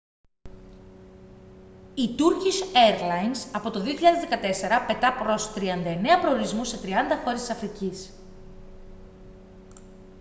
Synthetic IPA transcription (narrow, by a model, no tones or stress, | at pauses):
it̪uɾciseɾlɐjnsɐpo̞t̪o̞ðio̞çiʎɐðe̞zðe̞kɐt̪e̞se̞ɾɐpe̞t̪ɐpɾo̞st̪ɾiɐnd̪ɐe̞ne̞ɐpɾo̞oɾizmuse̞t̪ɾiɐnd̪ɐxo̞ɾest̪i̥sɐfɾicis